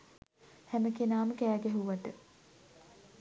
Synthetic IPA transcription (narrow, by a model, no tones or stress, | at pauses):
hæməkenaːməkæːɡæɦuʋat̪ə